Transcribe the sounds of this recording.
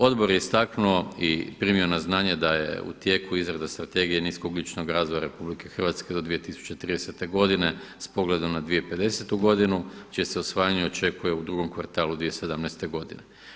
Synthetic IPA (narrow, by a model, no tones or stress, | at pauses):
o̞d̪bo̞ɾjeist̪aknuoipɾimio̞naznaːɲe̞d̪ajḛṵt̪je̞kuizɾed̪ast̪ɾat̪e̞ɡijeniːskoɡlʲit͡ʃnoɡɾaːzʋojaɾe̞publike̞xrʋat̪ske̞d̪o̞d̪ʋije̞t̪isu̥t͡ɕe̞t̪ɾiːd̪ese̞t̪e̞ɡo̞d̪ine̞spo̞ɡled̪o̞mnad̪ʋijepe̞d̪e̞se̞t̪uɡo̞d̪inut͡ʃieseosʋaːjaɲeot͡ʃe̞kuje̞ud̪ɾuɡo̞mkʋaɾt̪aːlˠud̪ʋijesed̪amnɛjst̪e̞ɡo̞d̪ḭne